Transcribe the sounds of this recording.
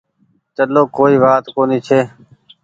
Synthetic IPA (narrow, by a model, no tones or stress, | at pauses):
t͡ʃəloːkoːiːʋaːt̪koːniːt͡ʃʰeː